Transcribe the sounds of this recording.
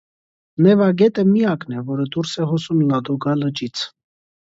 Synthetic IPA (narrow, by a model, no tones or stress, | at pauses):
nɛvɑɡɛt̪əmiɑknɛvɔɾəd̪uɾsɛhɔsumnɑd̪ɔɡɑlət͡ʃit͡sʰ